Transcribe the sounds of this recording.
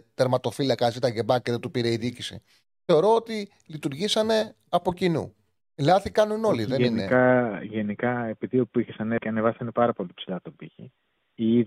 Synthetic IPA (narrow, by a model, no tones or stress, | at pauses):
t̪eɾmɐt̪o̞filɐkɐzit̪ɐʝe̞bɐceðet̪upiɾe̞iðicisḭ | θe̞o̞ɾo̞ot̪i | lit̪uɾʝisɐne̞ | ɐpo̞cinṵ | lɐθikɐnuno̞liðe̞neinekɐʝenikɐepiðiopuiçesɐnekeɐnevɐsɐnepɐɾɐpo̞lipsilɐt̪obiçḭ | ii